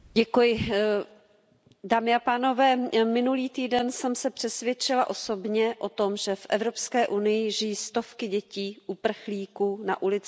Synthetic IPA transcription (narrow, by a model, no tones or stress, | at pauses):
ɟɛkujɪ | daːmɪapaːno̞vɛːmɪnuliːt̪iːdɛnsɛmsɛpr̝̥ɛsvjɛt͡ʃɪlaʔo̞sobɲɛʔo̞t̪o̞mʒɛfʔɛvɾo̞pskɛːʔunɪjɪʒɪjiːst̪o̞fkɪɟɛciːʔupr̩xliːkuːna̰ʔulɪt͡sɪ